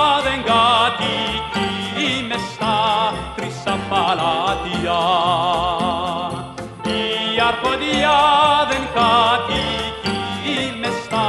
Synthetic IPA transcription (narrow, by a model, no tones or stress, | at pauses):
ðeŋɡat̪ikiːmest̪at̪ɾisapalat̪ia | iaɾkod̪iaðenkat̪ikiːmɛst̪a